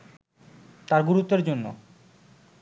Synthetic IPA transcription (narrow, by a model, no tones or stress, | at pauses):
t̪aɾɡuɾut̪ːeɾd͡ʑonːo̰